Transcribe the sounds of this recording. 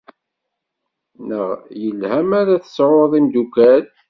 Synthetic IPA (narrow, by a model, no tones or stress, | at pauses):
nəʁjəlhæmaɾaθə̥sʕoðˤimd̪ukæl